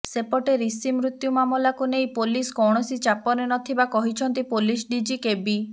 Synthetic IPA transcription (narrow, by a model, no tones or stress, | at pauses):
sepɔʈeɾisimɾut̪jumamɔlakunejpoliskɔwɽ̃ɔsit͡ʃapɔnenɔt̪ʰibakɔɦit͡ʃʰɔnt̪ipolisɖid͡ʒikebi